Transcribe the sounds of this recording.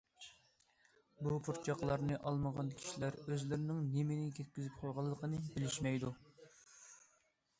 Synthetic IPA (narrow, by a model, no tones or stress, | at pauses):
bupʰuɾt͡ʃʰɑqlˠɑɾnɨʔɑlˠməʁɑnkʲʰi̥ʃilæɾøzlɪɾɪnɪŋnemɪnɪkʲʰɛt̪̚kʲyzyp̚qʰojʁɑlˠːəqʰənɨbɪlɪʃmɛjd̪u